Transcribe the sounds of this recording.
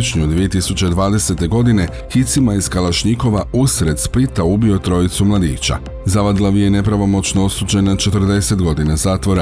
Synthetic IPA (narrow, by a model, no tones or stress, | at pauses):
t͡ʃɲud̪ʋije̞t̪isut͡ɕed̪ʋaːd̪e̞se̞t̪e̞ɡo̞d̪ine̞ | xit̪simajiskalaʃɲiko̞ʋausɾed̪spit̪aubio̞t̪ɾo̞it̪sumlˠad̪iːt͡ɕa̰ | zaʋad̪laʋijene̞pɾaʋo̞mo̞t͡ʃnoosuːd͡ʑe̞nat͡ʃe̞t̪r̩d̪e̞se̞t̪ɡo̞d̪inazaːt̪ʋo̞ɾa